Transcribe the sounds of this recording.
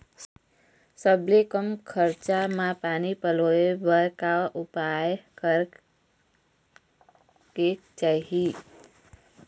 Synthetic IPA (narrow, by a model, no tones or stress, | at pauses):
səblekəmkʰəɾt͡ʃamãpanipəloebəɾkaʔupajkəɾ | ket͡ʃaɦi